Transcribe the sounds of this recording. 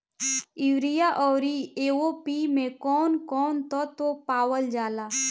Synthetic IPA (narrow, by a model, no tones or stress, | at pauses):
ɪʋɾijaʔɔːɾieːwopiːmẽkɔːnkɔːnt̪ɔt̪opaːwəld͡ʒaːlaː